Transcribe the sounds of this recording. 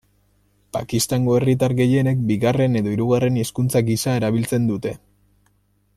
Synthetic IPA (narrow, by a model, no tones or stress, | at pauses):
pakist̪aŋɡo̞e̞rit̪aɾɣe̞je̞ne̞k̚biɣare̞ne̞ðo̞iɾuɣare̞niskunt͡saɡisaeɾaβ̞ilt͡se̞nd̪ut̪e̞